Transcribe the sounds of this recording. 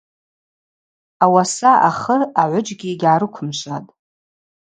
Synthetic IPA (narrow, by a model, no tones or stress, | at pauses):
awasaʔa̰χəraʕʷʊd͡ʒɡʲiɡʲaːɾɨkʷʰʊmʃʷatʼ